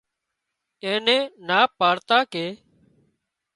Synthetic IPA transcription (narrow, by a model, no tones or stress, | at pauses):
ẽːnẽːnaːpaːɽt̪aːkeː